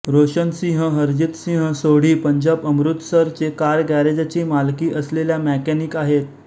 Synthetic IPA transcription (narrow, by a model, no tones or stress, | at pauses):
ɾoɕənsĩɦə̃ɦəɾd͡ʑit̪sĩɦə̃soɽ̤iːpəɲd͡ʑabəmɾut̪səɾt͡sekaɾɡæɾed͡ʑat͡ɕiːmalkiːʔəsleljamækænikaɦet̪